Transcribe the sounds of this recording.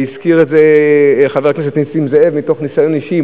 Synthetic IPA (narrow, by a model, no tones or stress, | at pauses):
iskiʁetzeχaveʁknes̬et̪nisimzeevmito̞χnisajo̞niʃi